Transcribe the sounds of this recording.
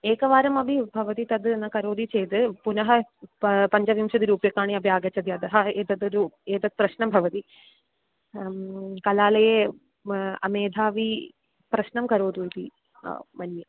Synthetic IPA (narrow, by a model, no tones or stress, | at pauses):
eːkɐʋaːɾɐmɐbʱibʱɐʋɐt̪it̪ɐd̪nːɐkɐɾoːd̪it͡ʃejt̪ɨpunɐɦɐ | pɐɲd͡ʒɐʋjimʃɐd̪iɾuːpjɐkːaːɳiɐbʱjaːɡɐt͡ɕːɐd̪iɐd̪ɐɦɐeːt̪ɐd̪ɾueːt̪ɐd̪̚pɾɐɕnɐmbʱɐʋɐt̪i | kɐlaːlɐje | ɐ̰meːd̪ʱaːʋi | pɾɐʃnɐmkɐɾoːd̪uit̪ḭ | mɐnːɐ